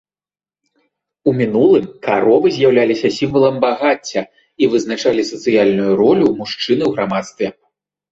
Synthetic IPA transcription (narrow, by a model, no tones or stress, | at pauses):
umʲinulˠɨmkaɾɔvɨzʲjawlʲalʲisʲɐsʲimvɐlˠɐmbaɣat͡sʲːɐ | ivɨznat͡ʂalʲisɐt̪sɨjalʲnujuɾɔlʲumuʂt͡ʂɨnɨwɣɾamat̪st̪vʲɛ